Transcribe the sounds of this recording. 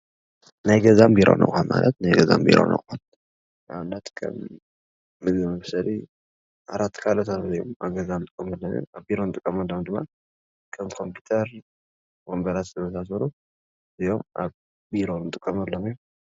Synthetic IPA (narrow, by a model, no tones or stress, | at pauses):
najɡɐzambiɾʔo̰nʔɐ̰kʼhanma̰lɐt̪najɡɐza̰mbḭɾo̰nɐ̰kʼhan | ʔaβɨnːat̪kʰɐ̰mː | ɨɡɨmɐfsɐli | ʔaɾat̪ʰːkʰalot̪ʰazɨjomaβɡɐzant̪ʼɨkʼːɐmɐlːɐm̰aβbiɾo̞nt̪ʼɨkʼːɐmɐlːomd̪ɨmːa̰ | kʰɐmkʰo̞mpʰu̥t̪ʰɐɾ | wombɐlat̪zɨβɐsʰasɐɾu | zɨjo̞mʔa̰β | biɾo̞nɨt̪ʼɨkʼːɐmɐlːomj